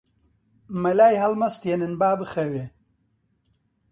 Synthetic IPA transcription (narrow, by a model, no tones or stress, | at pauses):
mɐlaːjɦɐlmɐst̪jenɨnbaːbɨxɐwe